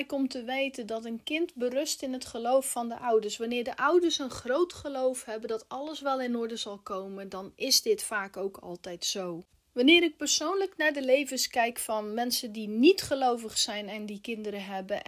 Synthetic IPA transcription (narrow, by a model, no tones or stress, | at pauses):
jkɔmtəʋejtəndɔtənkɪntbərɵstɪnɦətχəlowfːɔndəʔawdəɹsʋanɪːɹdəʔʌwdəɹsənχrowtχəlowfhɛbəndɔtɑlˠəsʋɛlˠɪnʊɹdəzɑlˠkowməndɑnɪsdɪtfaːkowkʰɑ̰lˠtɛjtsow | ʋanɪːɾɪk̚pəɹsownləknaɹdəlejvənskɛjkfɔnmɛnsəndinitχəlowvəχsɛjnɛndikɪndəɾəɦɛbə